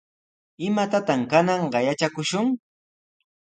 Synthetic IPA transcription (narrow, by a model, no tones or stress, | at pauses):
ɪmat̪at̪amkanɑɴɢɑjat͡ʃakʊʃʊŋ